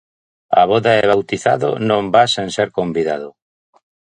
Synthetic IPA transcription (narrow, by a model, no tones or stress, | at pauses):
a̰βɔðaeβ̞awt̪iθa̰ðo̰nõmbasẽnseɾkombiðaðʊ